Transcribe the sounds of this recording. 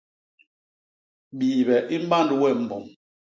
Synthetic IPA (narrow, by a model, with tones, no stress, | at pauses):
ɓiː˨bɛ˨ʔi˦m̩˦ba˦˨ndu˨wɛ˦˨m̩˨bɔ˨m